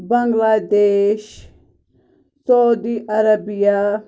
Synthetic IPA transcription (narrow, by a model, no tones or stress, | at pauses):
bɐŋɡlaːd̪eːʃ | sowd̪iʔɐɾɐbija